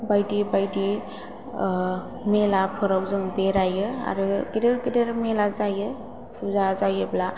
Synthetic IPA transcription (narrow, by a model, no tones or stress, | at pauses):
bajdibajdi | melapʰɯɾawzɯŋbeɾajɯa̰ɾɯɡideɾɡideɾmelazajɯ | pʰuzazajɯbla